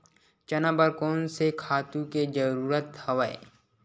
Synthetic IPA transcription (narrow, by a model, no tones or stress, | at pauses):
t͡ʃɐnabəɾkɔːnsekʰaːt̪ũked͡ʒəɾuːɾət̪hɐʋaḛ